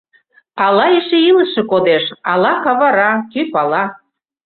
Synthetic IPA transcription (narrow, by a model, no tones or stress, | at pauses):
ɑlɑeʃeilə̆ʃĕkod̪eʃɑlɑkɑβɑɾɑkypɑlɑ